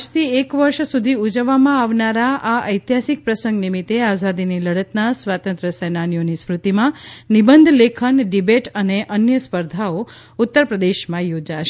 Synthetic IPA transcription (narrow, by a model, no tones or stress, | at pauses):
d͡ʒt̪ʰiekʋəɾʃsud̪ʱiud͡ʒəʋːamãaʋnaɾaʔaəjt̪jɦasik̚pɾəsə̃ŋɡnimit̪eazad̪iniləɽət̪nasʋat̪ə̃nt̪ɾəsɛnanijonispɾut̪imãnibənd̪ʱlekʰənɖibeʈəneʔənjəspəɾd̪ʱao | ut̪ːəɾpɾəd̪eʃmãjod͡ʒaʃe̥